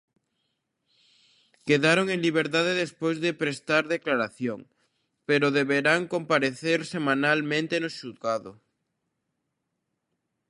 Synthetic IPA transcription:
keðaɾoŋeŋliβ̞eɾt̪aðeðespojzðepɾest̪aɾðeklaɾaθjoŋ | peɾʊðeβeɾaŋkompaɾeθeɾsemãnalmẽnt̪enʊʃuðɣaðʊ

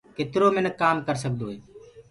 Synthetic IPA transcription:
ket̪ɾoːmẽnəkaːmkəɾsək̚d̪oːɦeː

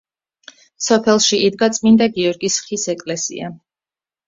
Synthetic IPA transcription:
sɔpʰɛlˠʃiid̪ɡat̪sʼmind̪aɡiɔɾɡisχisɛkʼlɛsḭa̰

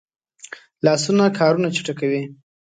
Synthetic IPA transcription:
lɑsunakʰɑɾunat͡ʃi̥ʈakawi

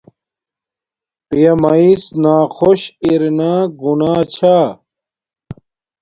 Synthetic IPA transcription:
pijɐmɐisnaːxoɕiɾnaːɡunaːt͡ɕʰaː

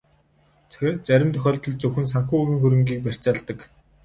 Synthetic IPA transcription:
t͡sæɾʲɪ̆mt̪ʰœxʲɔːɮt̪ɞ̆ɮt͡sɵxɘ̆ns̬aŋxuːuɣʲiːŋxuɾɘ̆ŋɡiːk̚pær̥ʲt͡ɕaːɮt̪ə̆k

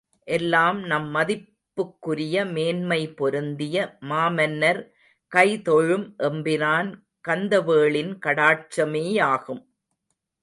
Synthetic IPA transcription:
ʔɛlːaːmnɐmːɐðɪpːɯkːɯɾɪjɐmeːnmɐɪpɔɾɯnd̪ɪjɐmaːmɐnːɐɾ | kɐɪt̪ɔɻɯmʔɛmbɪnaːn | kɐnd̪ɐʋeːɭɪnkɐɽaːʈ̚t͡ʃɐmeːjaːɣɯm

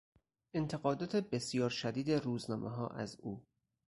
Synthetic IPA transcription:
ʔent̪ʰe̞ɣɒːd̪ɒːt̪ʰe̞besjɒːɾʃæd̪iːd̪eɾuːznɒːmʔeɦɒːʔæ̰zuː

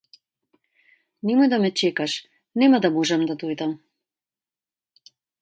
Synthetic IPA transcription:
nɛmɔjd̪amɛt͡ʃɛkaʃ | nɛmad̪amɔʒɛmd̪ad̪ɔjd̪am

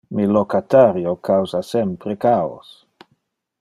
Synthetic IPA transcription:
milokat̪aɾjokawzasɛmpɾekao̰s

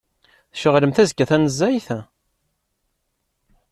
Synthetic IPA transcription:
θʃəʁləmθæzkːæθænəzːæjθ

